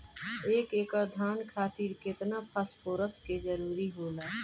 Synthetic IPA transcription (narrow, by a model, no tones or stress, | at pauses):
eːkeːkəɾd̪ʱaːnkʰaːt̪iːɾkɪt̪napʰəspoːɾəsked͡ʒəɾuːɾiɦoːlaː